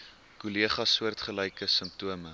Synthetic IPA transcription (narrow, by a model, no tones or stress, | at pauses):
kuliəχɐsuərtχəlɛjkəsəmp̚tuəmə